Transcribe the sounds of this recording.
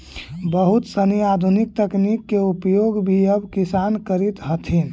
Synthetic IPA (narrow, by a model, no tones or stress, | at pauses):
bəɦut̪səniad̪ʱunik̚t̪əknikːeupjoɡbʱiəbkisankəɾit̪ɦət̪ʰin